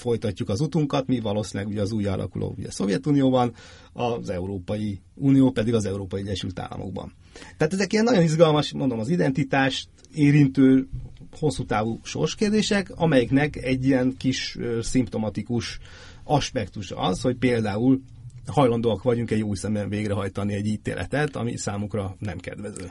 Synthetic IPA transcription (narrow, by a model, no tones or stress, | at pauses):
fo̞jt̪ɒcːukɒzut̪uŋkɒt̪mivɒloːsinlɛɡuɟɛɒzuːj̰lʔɒ̰kulʔo̰ṵɟɛ̰so̞vjɛt̪unijoːbɒn | ɒzɛuɾoːpɒjiuːnijoːpɛd̪iɡɒzɛuɾoːpɒjiɛɟɛʃylt̪a̰ːlːɒ̰mo̰ɡ̚bɒ̰n | t̪aːt̪ɛzɛkijɛnːɒɟo̞niʒɡɒlmɒʃmnd̪o̞mɒzid̪ɛnt̪it̪aːʃt̪ | eːɾint̪øːho̞sːuːt̪aːvuʃo̞̰rʃkeːrd̪eːʃɛkɒmɛjiknɛkɛɟːijɛnkiʃøsimpt̪o̞mɒt̪ikuʃ | ɒʃpɛkt̪uʃɒ̰ɒsho̞cpeːld̪aːul | hɒjlɒnd̪oːɒkʋɒɟuŋkɛɟjoːsɛmɛɱveːɡɾɛɦɒjt̪ɒniɛɟːiːt̪ḛːlʔɛ̰t̪ɛt̪ɒ̰mḭsaːmukrɒnɛmkɛ̰d̪ʋɛzø̰ː